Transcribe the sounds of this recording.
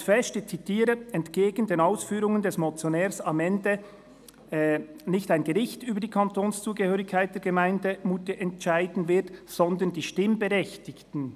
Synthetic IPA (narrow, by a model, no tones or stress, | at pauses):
fɛʃtət͡sitʰiːɾəɛntɡ̥eːɡəndeːnaʊsfyːɾʊŋəndɛsmot͡sjonɛːɾsamɛndə | nɪçtaɪnɡəʁɪçtyːbəd̥iːkʰɑntʰoːnst͡suːɡəhøːʁɪçkʰːaɪt̚d̥eːɐɡ̥əmaɪndəmuːtəʔɛntt͡ʃaɪdn̩vɪtsɔnd̪əndiːʃtɪmbəʁɛçtɪçtn̩